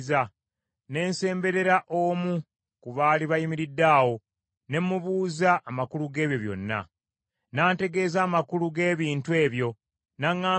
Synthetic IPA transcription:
za | ne̞ːnse̞ːmbe̞ɾe̞ɾaʔo̞ːmu | kuβaːliβajimiɾidːaːwo̞ | ne̞mːuβuːzaʔːmakuluɡe̞ːβjo̞βjo̞̰nːa̰ | naːnte̞ɡe̞ːzaːmakuluɡe̞ːβiːntue̞ːβjo̞ | naŋːaː

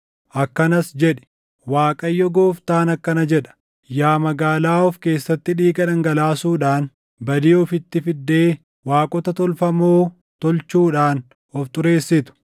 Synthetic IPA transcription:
ʔɐkːɐnɐsd͡ʒɛᶑɛ̥ | waːkʼɐjːɔɡoːft̪aːnɐkːɐnɐd͡ʒɛᶑɐ̥ | jaːmɐɡaːlaːɔfke̞ːsːɐt̪ːɪᶑiːɡɐᶑɐŋɡɐlaːsuːᶑaːn | bɐd̪iːɔfɪt̪ːɪfɪd̪ːe̞ː | waːkʼɔt̪ɐt̪ɔlfɐmoː | t̪ɔlt͡ʃuːᶑaːn | ɔft̪ʼʊɾe̞ːsːɪt̪ʊ̥

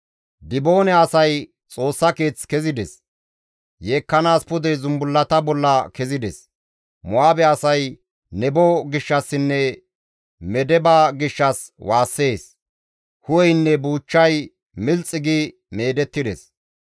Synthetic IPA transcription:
d̪ɪboːnɛɐsɐj | t͡sʼo̞ːsːɐke̞ːt͡skɛzɪd̪ɛs | jeːkːɐnaːspʊd̪ɛzʊmbʊlːɐt̪ɐbɔlːɐkɛzɪd̪ɛs | mʊaːbɛɐsɐj | nɛbɔɡɪʃːɐsːɪnːɛ | mɛd̪ɛbaːɡɪʃːɐswʔaːsːe̞ːs | hʊwɛjnːɛbuːt͡ʃːɐj | mɪlt͡sʼːɪɡɪ | me̞ːd̪ɛt̪ːɪd̪ɛs

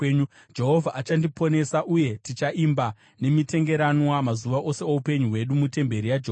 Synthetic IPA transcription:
d͡ʒe̞ɦo̞vʱaʔat͡ʃandipʰo̞ne̞saʔuje̞tit͡ʃaʔimba | ne̞mite̞ŋɡe̞ɾanwamazuʋaʔo̞se̞oupe̞ɲuɦwe̞ɗumute̞mbe̞ɾijad͡ʒeoː

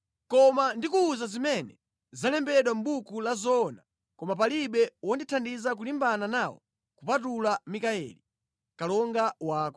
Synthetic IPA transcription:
kɔmandikuːzazimɛnɛ | zalɛmbɛɗwam̩ɓukulazɔna | kɔmap̬aliɓɛwɔnditʰandizak̬ulimbananawɔ̰ | kupat̬ulamikaɛ̰li | kalɔŋɡawaːkɔ

